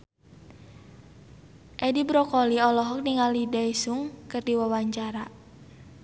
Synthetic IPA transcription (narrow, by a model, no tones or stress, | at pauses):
ʔɛdibɾɔkɔliɔlɔɦɔk̚niŋalidaisuŋkɨrdiwawaɲt͡ʃaɾa